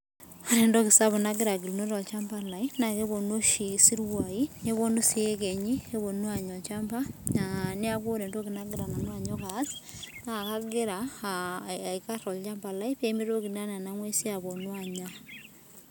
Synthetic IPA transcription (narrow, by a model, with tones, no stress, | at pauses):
o˨ɾɛ˨ndo˦ki˨sa˦βɔ˨na˦ɡɪ˦ɾa˨ɡ̬i˨lno˦ɾɔ˨t͡ʃa˦mba˨la˨ina˨ke˦bo˨nwo˦ʃi˨si˦ɾwa˨i˦ne˦βo˦nu˦si˦e˦kɛ˨ɲi˦e˦βo˨nwa˨ɲɔ˨t͡ʃampa˦nani˦ako˦ɾe˨ndo˦ki˨na˦ɡɪɾa˨na˨nwa˨ɲɔ˦ka˦snaka˦ɡɪ˦ɾa | a˨ika˦ɾɔ˨lt͡ʃa˦mba˨la˦i˦pe˦mi˦ɾo˦ki˨na˦na˨na˦ŋwe˦si˦a˨bo˨nwaɲa˦